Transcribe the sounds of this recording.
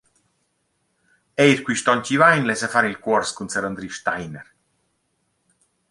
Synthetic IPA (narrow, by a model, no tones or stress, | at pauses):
ɛjɾkwiʃt̪ɔncivajnlɛsafaɾilkwɔɾskunsɛɾənd̪ɾiʃt̪ajnɛ̰ɾ